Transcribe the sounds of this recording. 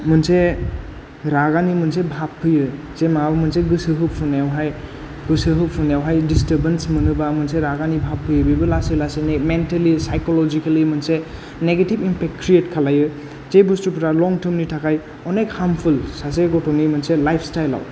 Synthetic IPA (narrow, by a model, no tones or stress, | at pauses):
mɯnse | ɾaɡanimɯnsebʱapʰːɯjɯ | zemaabɐmɯnseɡɯsɯɦɯpfʰunawɦaj | ɡɯsɯɦɯpfʰunjawɦajdistəɾbensmɯnɯbamɯnseɾaɡanibʱapʰːɯjɯbibɯlaselasenementalisajkolɔd͡ʒikalimɯnse | neɡetibimpʰek̚t̚kʰɾietkʰalajɯ | zebustupʰɾalɔŋtʰɯmnitʰakʰaj | ɔnekhampʰulsaseɡɔtɔnimɯnselajpʰstajla̰w